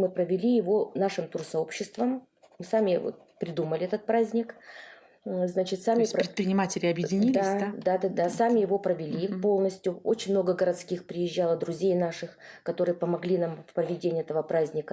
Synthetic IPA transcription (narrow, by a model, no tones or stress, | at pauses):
mɨpɾəvʲɪlʲijɪvo̞naʂɨmt̪ursɐo̞pɕːɪst̪vəm | mɨsamʲɪvo̰t̪̚ | pɾʲɪd̪uməlʲɪɛt̪ət̪̚pɾazʲnʲɪk | znat͡ɕɪt̪samʲɪsʲɾɾɪt̪̚pɾʲɪnʲɪmatʲɪlʲɪɐbjɪdʲɪnʲild̪ɪad̪ad̪ad̪ad̪asamʲɪjɪvo̞pɾəvʲɪlʲipo̞lˠnəsʲt̪ʲjʊo̰t͡ɕɪnʲmno̞ɡəɡəɾɐt̪skʲixpɾʲɪjɪʑːalˠəd̪ɾʊzʲejnaʂɨxkɐt̪o̞ɾɨjəpəmɐɡlʲinamfpɾəvʲɪdʲenʲɪɛt̪əvəpɾazʲnʲɪkə